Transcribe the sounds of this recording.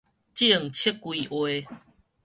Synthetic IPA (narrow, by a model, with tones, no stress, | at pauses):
t͡ɕi˦˨ə˨ŋt͡ɕʰi˦kːwi˨ʔwe˧